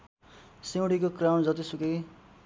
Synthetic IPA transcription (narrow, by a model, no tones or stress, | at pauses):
sẽw̃ɽikokrawnd͡zʌt̪isukej